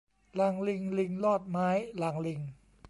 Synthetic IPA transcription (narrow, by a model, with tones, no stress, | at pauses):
la˨˩˦ŋli˧ŋli˧ŋlɔː˥˩t̪̚maː˦˥jlaː˩˦ŋli˧ŋ